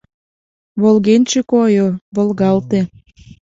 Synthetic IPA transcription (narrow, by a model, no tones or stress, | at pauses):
βolɣenʲt͡ɕekojoβolˠɣɑlt̪e